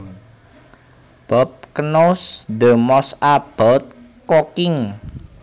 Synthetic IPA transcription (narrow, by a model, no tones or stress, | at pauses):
b̥ɔp̚kənosd̪əmɔsab̥alt̪̚ | kokɪŋ